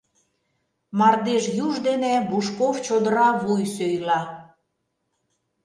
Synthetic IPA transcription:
mɑrd̪eʃjuʒd̪enebuʃkovt͡ɕod̪ə̆ɾɑβujsøjlɑ

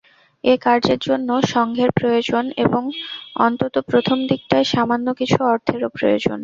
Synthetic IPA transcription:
ekaɾd͡ʑeɾd͡ʑonːoʃɔŋɡʱeɾpɾojod͡ʑoneboŋɔ̰nt̪ot̪opɾot̪ʰomd̪ik̚t̪aeʃamanːokit͡ɕʰuɔɾt̪ʰeɾopɾojo̰d͡ʑo̰n

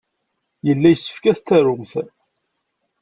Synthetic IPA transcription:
jəlːæjəsːə̥fkæθt̪ːæɾʊmθ

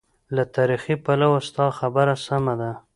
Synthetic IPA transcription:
lat̪ɑɾixipalawast̪ɑxabaɾasamad̪a

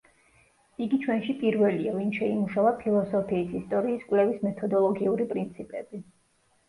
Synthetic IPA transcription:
iɡit͡ʃʰwɛnʃipʼiɾvɛliavinʃɛimuʃavapʰilˠɔsɔpʰiːsist̪ʼɔɾiːskʼwlɛvismɛt̪ʰɔd̪ɔlˠɔɡiuɾipʼɾint̪sʰipʼɛb̥i

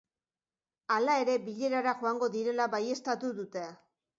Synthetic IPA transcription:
alae̞ɾe̞biʎe̞ɾaɾaʝo̞aŋɡo̞ðiɾe̞laβaje̞st̪at̪uðut̪e̞a

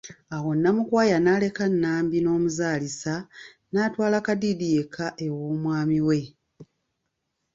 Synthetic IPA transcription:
awo̞nːamukwaːjanaːle̞kanːaːmbino̞ːmuzaːlisa | naːtwaːlakadidijekʰaʔe̞woːmwaːmiwe̞

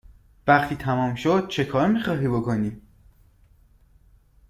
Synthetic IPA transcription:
væχt̪ʰiːt̪ʰæmɒːmʃod̪̥̚t͡ʃʰe̞kʰɒːɾmiːχɒːɦiːbo̞ko̞niː

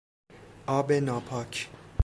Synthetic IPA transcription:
ɒːbenɒːpʰɒːcʰ

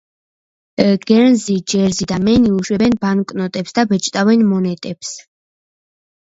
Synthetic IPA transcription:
ɡ̥ɛɾnzid͡ʒɛɾzid̪amɛniuʃwɛbɛnbankʼnɔt̪ʼɛpsd̪abɛt͡ʃʼt̪ʼavɛnmɔnɛt̪ʼɛps

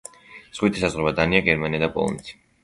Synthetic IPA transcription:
z̥ʁwit̪ʰisazʁɾɛbad̪aniaɡɛɾmaniad̪apʼɔ̰lˠɔ̰nɛt̪ʰi̥

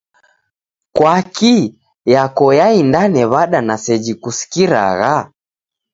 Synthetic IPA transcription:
kwaki | jakɔjaindanɛβaɗanasɛd͡ʒikusi̥kiɾa̰ɣa

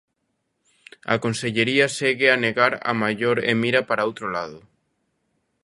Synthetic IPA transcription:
a̰konseʎeɾiaseɣeaneɣaɾa̰maʎoɾḛmiɾapaɾaowt̪ɾolað̞o

